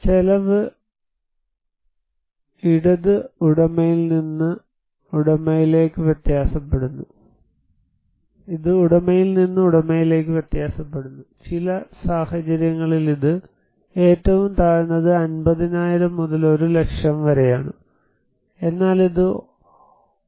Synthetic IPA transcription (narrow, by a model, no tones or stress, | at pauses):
t͡ɕelɐʋɨ | iɽɐðɨuɽɐmɐjilninːɨ | uɽɐmɐjile̞ːkːɨʋjet̪jaːsɐpːe̞ɽunːu | iðɨuɽɐmɐjilninːɨuɽɐmːɐjile̞ːk̬ːɨʋjet̪jaːsɐpːe̞ɽunːut͡ɕilɐsaːhɐt͡ɕɐɾjɐŋːɐɭiliðɨ | e̞ːtːɐʋumt̪aːɻunːɐðɨɐnbɐðinaːjiɾɐmːuðɐlo̞ɾule̞kʂjɐmʋɐɾejaːɳɨ | e̞nːaːliðɨ